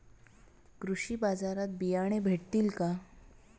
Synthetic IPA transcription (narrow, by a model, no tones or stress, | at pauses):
kɾuɕiːbad͡zaɾat̪̚bijaɽ̃ebʱeʈ̚t̪iːlka